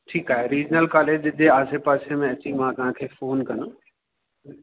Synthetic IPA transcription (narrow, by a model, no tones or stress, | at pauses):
ʈʰiːkaːɦeɾiːd͡ʑnəlkaːleːd͡ʑd͡ʑeaːsepaːsemẽɐt͡ɕimãt̪ɐɦãkʰeːfoːnkɐno